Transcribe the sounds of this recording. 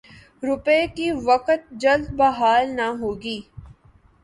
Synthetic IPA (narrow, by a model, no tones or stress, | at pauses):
ɾʊpekiʋɐqət̪̚d͡ʒɐld̪̚bɐɦaːlnaɦoːɡiː